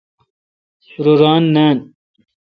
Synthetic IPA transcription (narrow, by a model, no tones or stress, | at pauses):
suɾoɾaːnːaːn